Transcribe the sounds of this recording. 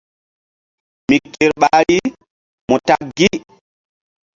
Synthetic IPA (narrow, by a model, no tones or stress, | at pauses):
mikːɛɾɓaːɾi | mɔtaɡːi